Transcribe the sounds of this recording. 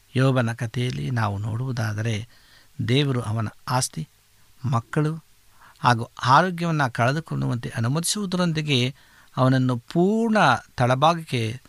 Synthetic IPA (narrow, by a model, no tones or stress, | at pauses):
jɔːbɐnɐkɐt̪ejɐlːḭnaːʋuno̰ːɽuʋud̪aːd̪ɐɾe̞ | d̪eːʋɐɾuʔɐʋɐnɐ̰aːst̪i | mɐkːɐɭu | haːɡuaːɾoːɡjɐʋɐnːɐkɐɭɐd̪ukoɳɖuʋɐnt̪eʔɐnumɐd̪isuʋud̪ɐɾond̪iɡe̞ | ɐʋɐnɐnːupuːɾɳɐt̪ɐɭɐbaːɡɐkːe